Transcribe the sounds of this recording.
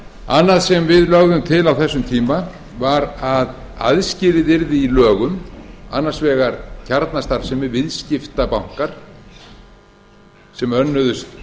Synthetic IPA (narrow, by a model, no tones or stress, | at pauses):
a̰nːaðsɛmvɪðlœɣðʏmt̪ʰɪlawθɛsːʏmt̪ʰiːma | vaɾað | a̰ðscɪɾɪðɪɾðɪilœːɣʏma̰nːaɾ̥svɛːɣaɾcʰaɾt̪nast̪aɾsɛmɪvɪðscɪft̪apawŋ̥kaɾ̥ | sɛmœnːʏðʏst̪